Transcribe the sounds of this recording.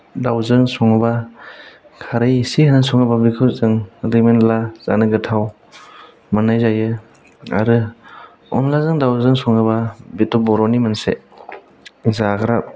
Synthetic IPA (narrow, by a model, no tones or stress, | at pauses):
dawzɯŋsɔŋɯba | kʰaɾajsihanɯsɔŋɯbabikʰɯzɯŋɾimenlaz̥a̰nɯɡɯtʰaw | manajzajɯ | a̰ɾɯ | ɔ̰nlazɯŋdawzɯŋsɔŋɯbabitɔbɔɾɔnimanse | zaɡɾap̚